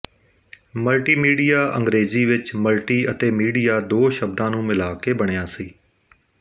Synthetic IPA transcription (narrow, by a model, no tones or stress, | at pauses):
məlʈiːmiːɖijaːʔə̃ŋɡɾeːziːʋɪt͡ʃməlʈiːət̪eːmiːɖiːjaːd̪oːʃəb̚d̪ãːnũːmɪlaːkeːbəɽ̃jaːsiː